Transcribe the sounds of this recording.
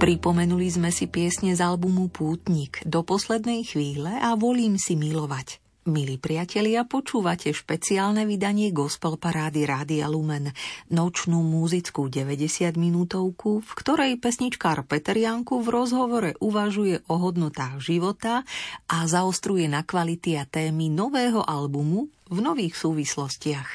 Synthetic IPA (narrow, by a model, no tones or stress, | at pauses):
pɾipɔmɛnulizmɛsipɪɛsɲɛzalbumupʰuːt̪ɲikd̪ɔpɔslɛd̪nɛjxʋiːlɛʔaʋɔliːmsimilɔʋac | milipɾɪacɛʎɪapɔt͡ʃuːʋacʰɛʃpɛt͡siaːlnɛʋid̪aɲɪɛɡɔspɛlpaɾaːd̪iɾaːd̪ia̰lumɛnːɔt͡ʃnuːmuzit͡skuɟɛʋɛɟɛsɪad̪minuːt̪ɔʊkufkt̪ɔɾɛjpɛsɲit͡ʃkaːɾpɛt̪ɛɾɪaŋkuvɾɔzɦɔʋɔɾɛʔuʋaʒujɛʔɔɦɔd̪nɔt̪aːɣʒiʋɔt̪aʔazaɔst̪ɾujɛnakʋalit̪iat̪ɛːminɔʋɛːɦɔʔalbumu | vnɔʋiːxsuːʋislɔscɪax